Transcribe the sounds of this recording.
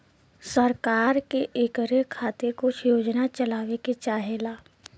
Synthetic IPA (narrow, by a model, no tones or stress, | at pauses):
sɐɾkaːɾkeʔeːkɾekʰaːt̪ekʊt͡ʃʰjoːd͡ʒnat͡ʃɐlaːʋeket͡ʃaːɦelaː